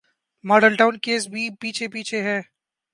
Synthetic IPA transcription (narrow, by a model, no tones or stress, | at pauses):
mɔːɖənʈaːʊnkeːsbʱipiːt͡ʃʰepiːt͡ʃʰeɦɛ̃ː